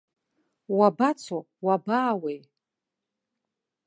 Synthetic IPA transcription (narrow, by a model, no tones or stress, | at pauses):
wabat͡sʰo | wabaːwej